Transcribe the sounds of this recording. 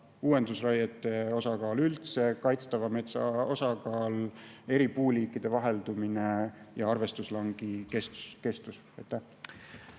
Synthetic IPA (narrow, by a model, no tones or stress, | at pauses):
uːwe̞nd̪usrɑjɑt̪ːˑe̞o̞sɑkɑːlylt̪se̞kɑjt̪st̪ɑvɑme̞t̪sɑo̞sɑkɑːle̞ɾipuːliːkːˑid̪̥e̞vɑɦe̞ld̪umine̞jɑɑrve̞st̪uslɑŋɡ̥ike̞st̪u̥ske̞st̪us | ejt̪ːˑæ